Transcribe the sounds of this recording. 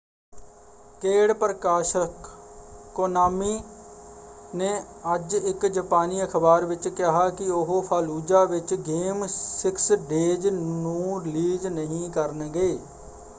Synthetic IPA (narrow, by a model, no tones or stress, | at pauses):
keːɽpəɾəkaːʃəkː | oːnaːmiː | nẽːəd͡ʒɪkd͡ʒəpaːniːəkʰbaːɾʋɪt͡ʃkɪɦaːkɪʊɦopʰaːluːd͡ʒaːʋɪt͡ʃɡeːmsɪksɖeːd͡ʒnũːɾɪliːd͡ʒnəɦĩːkəɾnɡeː